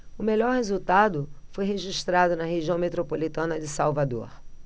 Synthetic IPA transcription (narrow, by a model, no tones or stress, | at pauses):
ʊmeʎɔɾhezuwt̪ad̪ʊfojɦeʒiʃt̪ɾad̪ʊnɐɦeʒiɐ̃w̃met̪ɾopolit̪ɐ̃nɐd͡ʒɪsawvad̪o̰ɾ